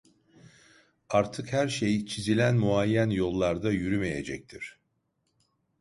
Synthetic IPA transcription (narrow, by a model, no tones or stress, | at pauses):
aɾt̪ʰɯkhæɾʃejt͡ʃʰizilʲænmuajːænjo̞lˠːaɾd̪ajyɾyme̞je̞̰d͡ʒɛc̚t̪ʰiɾ̥